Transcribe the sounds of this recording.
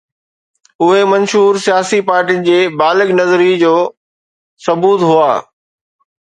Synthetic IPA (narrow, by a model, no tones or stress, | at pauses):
ʊɦemɐ̃nʃuːɾsijaːsipaːɾʈinɪ̆d͡ʑeːbaːlɪɠnɐzɾid͡ʑoː | sɐbuːt̪ɦʊaː